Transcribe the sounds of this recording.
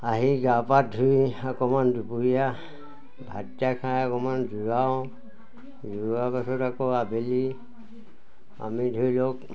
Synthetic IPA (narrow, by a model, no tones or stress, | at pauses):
aɦiɡapadʱuiakɔmandupuija | bʱatjakʰãjakɔmand͡ʒuɡaõ | d͡ʒuabasɔɾakɔabʱeli | a̰midʱujlok